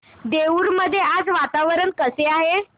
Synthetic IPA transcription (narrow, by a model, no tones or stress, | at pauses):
d̪euːɾməd̪ʱːjead͡zʋat̪aʋəɾəɳkəseaɦe